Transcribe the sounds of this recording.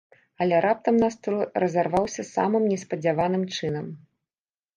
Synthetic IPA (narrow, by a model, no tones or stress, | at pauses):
ɐlʲɛɾʔap̚t̪ɐmnast̪ɾuɾɐzarvawsʲɐsa̰mɨmnʲɛspɐd͡zʲavanɨmt͡ʂɨnɐm